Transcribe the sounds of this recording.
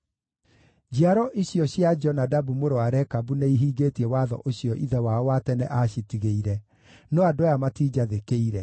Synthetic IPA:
d͡ʑiaɾɔʔiɕjɔɕjad͡ʒɔnadabumoɾoaɾɛkabuneiɦiːɡeːtiɛwaðɔ̰ʔoɕjɔʔiðɛwaɔwatɛnɛʔaɕitiɣeiɾɛ | nɔadojamatiːd͡ʒaðekeiɾɛ

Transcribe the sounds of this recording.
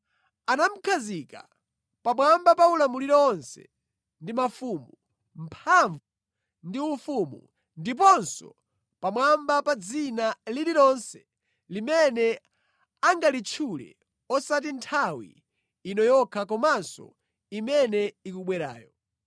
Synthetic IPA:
anam̩kʰazika̰ | pamwambapaulamuliɾɔɔnsɛ̰ | ndimafumu | m̩pʰaɱvu | ndiufumṵ | ndip̬ɔnsɔ̰ | pamwambapad͡zinaliliɾɔnsɛ̥ | limɛnɛ | aŋɡalit͡ʃʰulɛ̰ | ɔsat̬intʰawḭː | nɔjɔkʰakɔmansɔ̰ | imɛnɛikuɓwɛɾa̰ːjɔ

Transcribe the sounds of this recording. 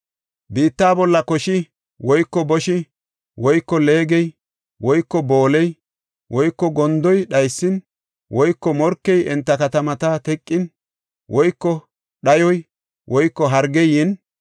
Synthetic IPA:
biːt̪ːaːbɔlːɐkɔʃɪ | wɔjkːɔbɔʃɪ | wɔjkːɔle̞ːɡɛj | wɔjkːɔboːlɛj | wɔjkːɔɡɔnd̪ɔjɗɐjsːɪn | wɔjkːɔmɔɾkːɛjʔɛnt̪ːɐkɐt̪ɐmɐt̪ɐt̪ɛkʼːɪn | wɔjkːɔ | ɗɐjɔj | wʔɔjkːɔɦɐɾɡɛjɪn

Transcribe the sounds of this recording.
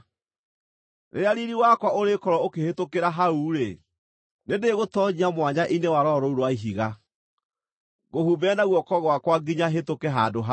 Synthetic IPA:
ɾʔeaɾiɾiwakwaoɾekɔɾɔokehetokeɾaɦauːɾe | nedeɣotɔɲiamwaɲaʔinewaɾɔɾɔuɾwaiɦiɣa | ɣohubɛnaɣwɔkɔɣwakwaɡiɲaɦetokɛɦadoɦa

